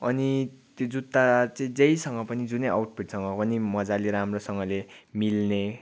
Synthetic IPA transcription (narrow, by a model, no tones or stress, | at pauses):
ʌ̰nit̪jod͡zut̪ːat͡sʌĩd͡zʌjsʌŋɡʌpʌnid͡zunʌja̰wʈpʰiʈsʌŋɡʌpʌnimʌd͡zaliɾamrosʌŋɡʌlemilne